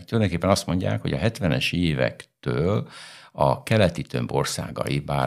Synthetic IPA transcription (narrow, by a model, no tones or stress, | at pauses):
t̪uljd̪oŋkepːɛnɒst̪mo̞ɲɟa̰ːkho̞ɟɒɦɛt̪ʋɛnɛʃeːvɛ̰kt̪øːlɒkɛlɛt̪it̪ø̞mbo̞rsa̰ːɡɒ̰ibaː